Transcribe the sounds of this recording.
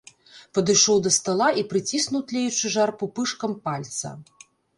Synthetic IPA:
pɐd̪ɨjʂɔwd̪ɐst̪ɐlˠaʔipɾɨt͡sʲisnuwt̪lʲɛjut͡ʂɨʐarpupɨʂkɐmpalʲt̪sɐ̰

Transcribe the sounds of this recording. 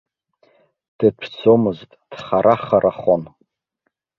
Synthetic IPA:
d̥ɨt͡ʃʷʰt͡sʷʰomɨztʼd̥χaɾaχaɾaχon

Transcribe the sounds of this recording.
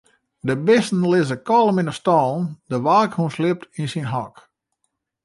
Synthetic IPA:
dəbɪstn̩lɪzəkɔlˠəminəstɔlˠndəʋaːkhunslɪp̚tinsinɦɔk

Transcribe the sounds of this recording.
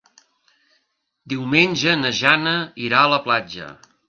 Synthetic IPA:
d̪iwmenʲʒənəʒanəiɾaələplad͡ʒə̰

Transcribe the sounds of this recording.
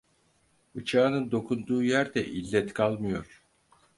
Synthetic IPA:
ɯt͡ʃʰaːnɯnd̪o̞kʰund̪uːjæɾd̪ɛʔilʲːɛt̪kʰalˠmɯjo̞ɾ̥

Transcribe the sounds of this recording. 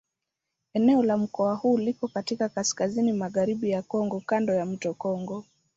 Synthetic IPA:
ɛnɛɔlam̩kɔahuːlikɔkatikakaskazinimaɣaɾiɓijakɔŋɡɔkandɔjam̩tɔkɔŋɡɔ

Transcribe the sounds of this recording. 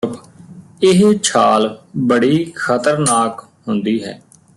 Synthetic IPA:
p | ɪɦt͡ʃʰaːlbəɽiːxʰət̪əɾnaːk | ɦʊnd̪iːɦɛ̰ː

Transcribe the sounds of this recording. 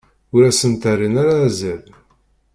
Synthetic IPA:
ʊɾæsənt̪ærːinaɾazəl

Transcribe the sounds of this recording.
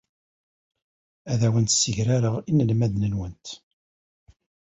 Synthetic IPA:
æðæwənt̪sːəʝɾaɾəʁinəlmæðnənwənt̪

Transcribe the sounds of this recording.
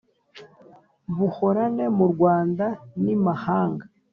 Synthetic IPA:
βuho̞ɾane̞muɾɡwaːndanimahaːŋɡa

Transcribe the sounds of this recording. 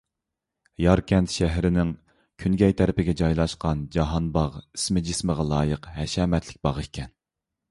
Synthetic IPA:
jɑɾkʲɛnt̪ʃæɦɾɪnɪŋ | kʲʰynɡʲɛjt̪ʰæɾɪpɪɡʲɛd͡ʒɑjlˠɑʃqɑnd͡ʒɑɦɑnbɑʁi̥smɪd͡ʒɪsməʁɑlˠɑːjəqhɛʃɛmɛt̪ʰlɪk̚ʲbɑʁɨkʲʰɛn

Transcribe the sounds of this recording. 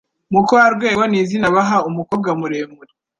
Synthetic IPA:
mukowaɾɡwe̞ːβo̞niːzinaβaɦaumukoːb̚ɡamuɾeːmuɾi

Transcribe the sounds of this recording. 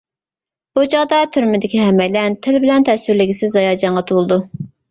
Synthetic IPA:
but͡ʃɑʁd̪ɑt̪ʰyɾmɪd̪ɪkʲiɦɛmɛlɛnt̪ʰɪlbɪlɛnt̪ʰɛsyɾlɪɡʲisɪzɑjɑːd͡ʒɑɴʁɑt̪ʰulˠɨd̪u

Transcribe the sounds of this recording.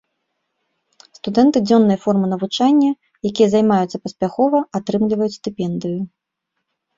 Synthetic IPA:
st̪ud̪ɛnt̪ɨd͡zʲɔnːɨjɐfɔrmɨnɐvut͡ʂanʲːɐ | jakʲijɐzajmajut̪sːɐpɐsʲpʲaxɔvɐat̪ɾɨmlʲivɐjut͡sʲst̪ɨpʲɛnd̪ɨju

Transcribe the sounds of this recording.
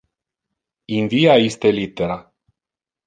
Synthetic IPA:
inviajest̪e̞lit̪e̞ɾa

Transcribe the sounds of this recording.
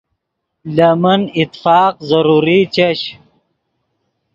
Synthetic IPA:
lɐmɐnit̪fɑːqzɐɾuɾit͡ɕɐɕ

